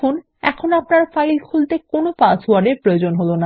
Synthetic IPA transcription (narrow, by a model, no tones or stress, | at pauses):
un | ɛkʰonapnaɾfajlkʰult̪ekonopaswaɾɖeɾpɾojod͡ʑonɦolona